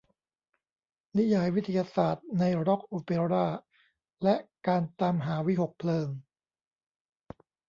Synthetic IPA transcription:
ni˦˥ja˩˦jwi˦˥t̪ʰːa˧jaː˧saː˨˩t̪̚na˧jɾɔ˦˥k̚ʔoː˧pe˧ɾaː˥˩ | lɛ˦˥kaː˧nt̪aː˧mɦaː˩˦wi˦˥˩ɦo˨˩k̚pʰlɤː˧ŋ

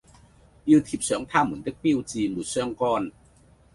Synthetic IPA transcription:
ji˧wt̪ʰi˨˩p̚sœː˨˥ŋt̪ʰaː˥mu˨˩˦nt̪i˥k̚pi˥˧wt͡siː˧mu˨˩t̚sœː˥˧ŋkɔː˧˩n

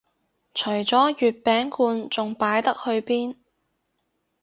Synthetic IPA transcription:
t͡ʃʰɵ˨˩ɥt͡sɔː˨˥jyː˨t̚pɛː˨˥ŋkʰuː˧nt͡sʊ˨ŋpaː˨˥jt̪ɐ˥k̚hɵ˧ɥpiː˥n

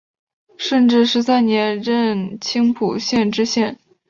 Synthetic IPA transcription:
ʂə˥˧nʈ͡ʂɻ̩˥˩ʂɻ̩˧˥sa˥nnjɛ˧˥nɻə˥˧nt͡ɕʰi˥ŋpʰṵ˨˩ɕjɛ˥˧nʈ͡ʂɻ̩˥ɕjɛ˥˩n

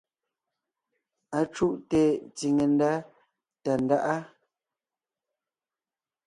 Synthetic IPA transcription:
a˨t͡ʃu˦ʔte˨t͡si˨ŋe˨n˦da˦ | ta˨n˨da˦ʔa˦

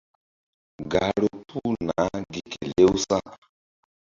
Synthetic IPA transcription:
ɡa˨ɺo˨pʰu˦na˨˦di˨ke˨le˦u˦sa˦

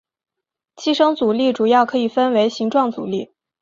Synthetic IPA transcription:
t͡ɕʰi˥˩ʂɤ˥ŋt͡su˨˩li˥˩ʈ͡ʂu˨˩jɑ˥˩ʊkʰɤ˧˥i˨˩fə˥nwe˧˥ɪɕi˧˥ŋʈ͡ʂwɑ˥˩ŋt͡sṵ˨˩li˥˩

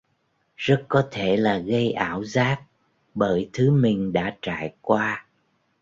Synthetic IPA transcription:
zə˦˥t̚kɔ˨˦t̪ʰe˧˩laː˨˩ɣə˧jʔaː˧˩wzaː˦˥t̚ | ɓəː˧˩jt̪ʰɨ˨˦mï˨˩ŋ̟ɗa̰ː˧˥t͡ɕa̰ː˧˨jkwaː˧

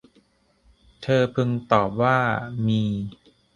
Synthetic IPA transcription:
t̪ʰɤː˧pʰɯ˧ŋt̪ɔː˨˩p̚waː˥˩miː˧

